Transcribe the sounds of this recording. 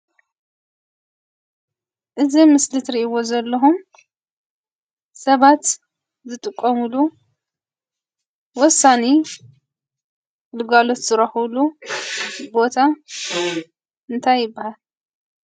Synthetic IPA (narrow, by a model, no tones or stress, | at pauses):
ʔɨzimɨslɨt̪ɾiʔiwozɐlːɐɦum | sɐβat̪ | zɨt̪ʼɨkʼːɐmulu | wɔsːane | lɨɡalo̞t̪z̥ɨɾɐhulu | bo̞t̪ʰa | ʔɨnt̪ʰajːɪbːahal